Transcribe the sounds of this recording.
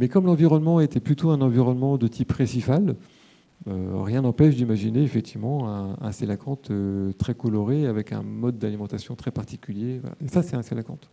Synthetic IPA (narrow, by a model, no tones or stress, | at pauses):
mɛkɔmlɑ̃viʁɔnmɑ̃et̪ɛplyt̪ʰoɛ̃nɑ̃viʁɔnmɑ̃d̪ət̪ʰipʁesifal | ø̰ʁjɛ̃nɑ̃pɛʃd̪imaʒineːfɛk̚t̪ʰivmɑ̃ɛ̃ɛ̰̃selakʰɑ̃t̪øt̪χɛkɔlɔʁeavɛkɛ̰̃mɔd̪ːalimɑ̃t̪asjɔ̃t̪χɛpaʁt̪i̥kʲyljevwa̰la̰esasɛt̪ɛ̃selakɑ̰̃t̪